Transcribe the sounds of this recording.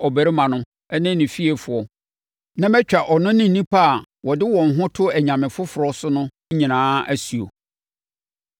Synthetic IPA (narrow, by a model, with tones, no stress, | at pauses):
ɔ˨bæ˨ɾi˦mã˨nʊ̃˦ | ɛ˦nɪ̃˦nɪ̃˨fi˦e˨fʊ˨ɔ˨ | nã˦mɛ˦t͡ɕᶣa˨ʔɔ˨nʊ̃˦nɪ̃˦˨nĩ˦pʰa˦a˨ | wɔ˨dɪ˦wɔ̃˨ŋ̩˨ɦʊ̃˦tʰʊ˦æ˨ɲã˨mɪ̃˨fʊ˦fʊ˨ɾɔ˦sʊ˦nʊ̃˦ɲĩ˨nãː˦æ˦sɥo̰˨